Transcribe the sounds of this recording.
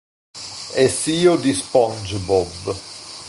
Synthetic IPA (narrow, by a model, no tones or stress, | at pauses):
ɛsiːod̪ispɔnd͡ʒbɔb